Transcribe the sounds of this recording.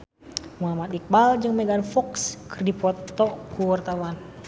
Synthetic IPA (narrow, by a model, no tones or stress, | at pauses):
mulamat̪ik̚bald͡ʒɨŋmɛɡanfɔkskərdipɔt̪ɔkuwart̪awan